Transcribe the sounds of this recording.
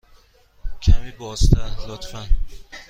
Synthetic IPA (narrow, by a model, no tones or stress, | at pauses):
cʰæmibɒːst̪ʰælot̪fæn